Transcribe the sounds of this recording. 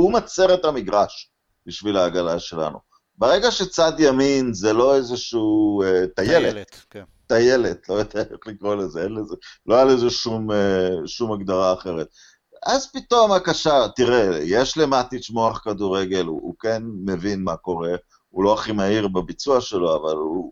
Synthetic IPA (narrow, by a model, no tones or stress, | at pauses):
umat͡seʁetamiɡʁaʃ | b̥iʃvilaːɡalaʃe̞la̰nṵ | beʁeɡaʃet͡sadjaminzelo̞ezeʃuːet̪ajelet̪ː | aje̞let̪lojot̪ajχlikʁo̞lezeenlezeloajalezeʃumeʃumaɡd̪aʁaːχe̞ʁet̪̚ | azpit̪o̞makaʃat̪iʁejeʃle̞mat̪it͡ʃmo̞aχkaduʁe̞ɡe̞l̰ṵkenme̞vinmako̞ʁe̞ | ulo̞aχimahiʁbabit͡suaʃe̞lo̞avalu